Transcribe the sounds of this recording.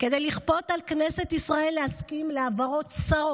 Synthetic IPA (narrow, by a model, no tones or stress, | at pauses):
ked̪ejliχpo̞talkneset̪isʁae̞lːeaskimleavaʁo̞tsaʁo